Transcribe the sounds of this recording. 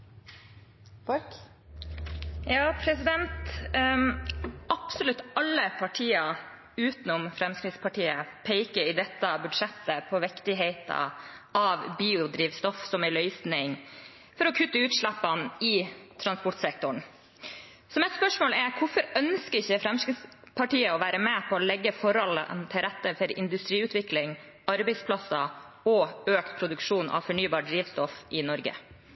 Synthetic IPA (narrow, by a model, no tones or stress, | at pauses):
jɑːpʰɾɛsɪd̪ɛnt̪ | ʔɑpsɔlʉt̪ːɑlːəpʰɑʈʰiːɑ | ʉːt̪ən̩ɔmfɾɛmskɾɪt̪spʰɑʈiːəpʰeɪkəɾɪd̪ɛt̪ːɑbʉd̪ʂɛt̪ːəpʰɔʋɪkt̪ɪɦeɪt̪ɑ̰ɑʋbiːʊd̪ɾiːʋst̪ɔfsɔmælœʏsnɪŋ | fɔɾɔkʰʉt̪ːəʉːt̪ʂɭæpːɑnɪt̪ʰɾɑnspɔʈsɛk̚t̪ʊɳ | sɔmɛt̪spœʂmoːlɛɾkʰʊfɔɾœnskəɪçːəfɾɛmskɾɪspʰɑʈiːəɔʋæːɾəmɛpʰɔːlɛɡːəfɔɾɔlə̰nt̪ʰɪlɾɛt̪ːəfɔɾɪ̰nd̪ʉst̪ɾiːʉt̪ʰʋɪklɪŋ | ɑɾbɛɪspʰlɑsɑ | ɔøːkt̪pʰɾʊd̪ʉkʂuːnɑ̰ʋfɔɳyːbɑːɖɾiːʋst̪ɔfʔɪnɔɾɡə̰